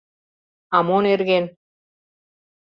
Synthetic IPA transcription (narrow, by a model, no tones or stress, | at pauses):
amoneɾɡen